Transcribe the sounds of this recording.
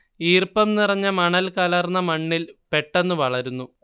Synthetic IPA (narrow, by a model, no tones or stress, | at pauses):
iːrpɐmnirɐɲːɐmɐɳɐlkɐlɐrnːɐmɐɳːilpe̞ʈːe̞nːuʋɐɭɐɾunːu